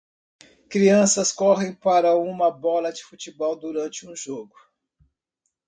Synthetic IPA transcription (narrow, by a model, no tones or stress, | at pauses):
kɾiɐ̃sɐskɔɦẽj̃paɾɐũmɐbɔlɐd͡ʒɪfut͡ʃibɔwd̪uɾɐ̃nt͡ʃɪũʒoɡʊ